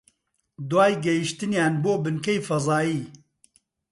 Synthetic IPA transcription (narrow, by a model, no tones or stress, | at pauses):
d̪waːjɡɛjiʃt̪ɨnjaːnboːbɨnkɛjfɐzɑːjiː